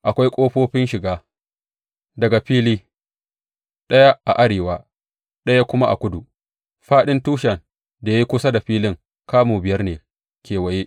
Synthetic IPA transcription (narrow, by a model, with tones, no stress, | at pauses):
ʔa˨kʷa˦jkʷʼoː˦ɸoː˦ɸɪ˦nʃɪ˨ɡaː˦ | dɐ˨ɡa˨ɸiː˦liː˦ | ɗɐ˦ja˦ʔa˨ʔa˦ɽeː˨waː˦ | ɗɐ˦ja˦kʷʊ˦ma˦ʔa̰˨kʷʊ˦du˨ | ɸaː˦ɗɪ˦ntuː˦ʃɐ˨n | da˨ja˦ji˦kʷʊ˦sa˦da˨ɸiː˦lɪ˦ŋ | kaː˦moː˨bɪ˨jɐ˦rneː˨ | kʲeː˨wɐ˨jeː˦